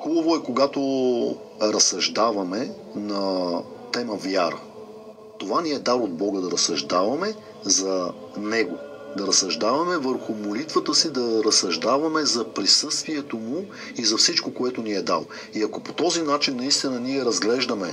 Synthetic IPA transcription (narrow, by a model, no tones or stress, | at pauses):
xubɐvoɛkoɡat̪o | ɾɐsɐʒd̪avɐmɛ | nɐt̪ɛməvjaɾə̰ | t̪ovaniɛd̪aɾod̪̚bɔɡəd̪ɐɾɐsɐʒd̪avɐmɛ | zɐ | nɛɡo | d̪ɐɾɐsɐʒd̪avɐmɛvəɾxʊmolit̪vət̪əsid̪ɐɾɐsɐʒd̪avɐmɛzɐpɾisɤst̪viɛt̪omʊ | izɐfsit͡ʃkokoɛt̪ʊniɛd̪a̰lˠ | iɐkopot̪ɔzinat͡ʃinːɐist̪inəniɛɾɐzɡlɛʒd̪ɐmɛ